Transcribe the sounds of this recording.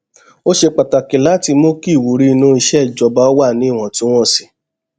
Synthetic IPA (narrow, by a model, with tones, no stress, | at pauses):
o˦ʃe˧k͡pa˨ta˨ki˨la˨˦˨ti˧mõ˦ki˦˨wu˨ɾi˧˦i˧nũ˧˦i˧ʃɛ˦˨d͡ʒɔ˧ba˨˦ɔ˦wa˦˨nĩ˨˦˨w̃ɔ̃˨tũ˦w̃ɔ̃˦˨si̥˨